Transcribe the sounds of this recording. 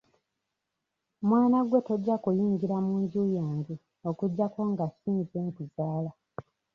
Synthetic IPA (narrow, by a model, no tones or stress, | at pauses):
mwaːnaɡwe̞to̞ɟːakujiːɲɡiɾamuːɲɟuːjaːɲɡi | o̞kuɟːako̞ŋɡasiːnzeːŋkuzaːla